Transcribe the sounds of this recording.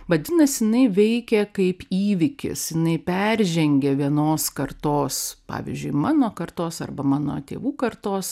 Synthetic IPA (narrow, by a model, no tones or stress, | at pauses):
ʋɐd̪ʲɪnɐsjɪnɐɪʋʲɛɪkʲɛkɐɪpiːʋʲɪkʲɪ̰sjɪnɐɪpʲæɾʲʒʲɛŋʲɡʲɛʋʲiɛnoːskɐrt̪oːspɑ̰ːʋʲḭzʲd͡ʒʲʊɪmɑːnoːkɐrt̪oːsɐ̰rbɐmɑːno̰ːt̪ʲḛːʋuːkɐrt̪oːs